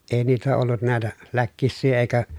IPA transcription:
eˑi niːtæ olːut næˑetæ lækːisːiː eˑikæ

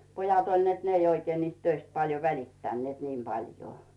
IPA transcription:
pojɑt olʲ net ne ei oikeː niːst tøist pɑljo ʋælitːænːĭeˑt niːm b̥ɑljoː

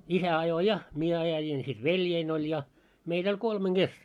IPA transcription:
isæ ɑjo jɑ mie ɑjɑjin sit ʋeljein olʲ jɑ meitæ̆ olʲ kolmeŋ ɡ̊es

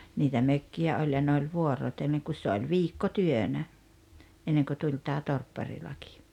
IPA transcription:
niːtæ møkːiæ olʲ jɑ ne olʲ ʋuorˑotelːeŋ kus se olʲ ʋiːkːotyønæ enːeŋkø tulʲ tæː torpːɑrilɑki̥

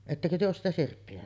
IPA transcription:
etːækø tyø oːs sitæ sirpːiæ

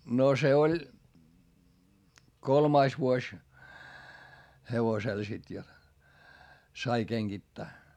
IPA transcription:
no se olʲ kolmɑis ʋuosʲ heʋosel sit jot sɑi keŋɡ̊itːæː

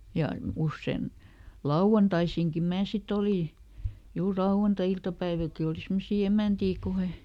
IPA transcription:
jɑ usːen lɑuw̆ɑntɑisiŋki mæː sit oliˑ juːr lɑuw̆ɑntɑiltɑpæiʋilki oli simːosi emæˑntiː ku he

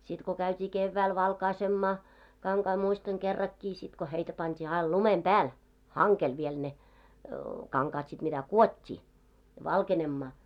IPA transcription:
sit ko kæytʲiː keʋːæil ʋɑlkɑisemːɑː kɑŋkɑi muistɑŋ kerːɑkːiː sit ko heitæ pɑntʲiː ɑil lumem b̥æːl hɑŋkel ʋiel ne kɑŋkɑːt sit mitæ kuotʲːiː ʋɑlkenemːɑː

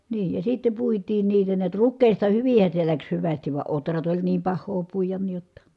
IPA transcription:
niː jɑ sitːe puitiːn niːtæ niæt rukˑeˑistɑ hyʋin̞hæ se læks hyʋæstiʋ ʋɑ otrɑt olʲ niːm pɑhˑoː puijɑn ni jotːɑ

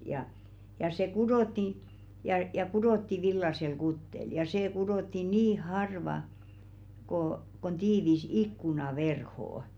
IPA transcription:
jɑ jɑ se kudoˑtːi jɑ kudoˑtːi ʋilːɑsel kutːel jɑ seː kudotːi niː hɑrʋɑ koˑ kon tiːʋis ikːunɑʋerhoˑŏ

